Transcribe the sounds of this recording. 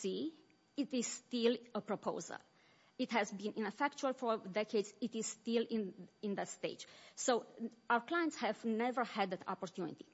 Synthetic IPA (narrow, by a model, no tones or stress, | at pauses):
si | it̪iz̥st̪iləpɹopʰo̰ʊzə̰l | it̪hɛzbĩnʔĩnəfɛkt͡ʃuəlfɔɹd̪ɛkʰed̪zit̪iz̥st̪ilĩnĩnðətst̪eɪd͡ʒsowawəɹklajə̃nt̪shɛvnɛvə˞hɛd̪ɛt̪ʰɔ̰poɹt̪ʰjunḭt̪i̥